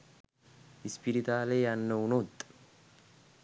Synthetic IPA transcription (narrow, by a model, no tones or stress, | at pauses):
hɪspɪɾɪt̪aːleːjaːnːɐʊnot̪ʼːɐ̥